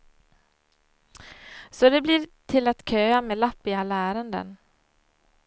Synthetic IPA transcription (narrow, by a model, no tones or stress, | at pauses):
sɔd̪ɛbliːɾt̪ʰɪlat̪kʰøːamɛːlapːɪɡalæːɾənd̪ə̰n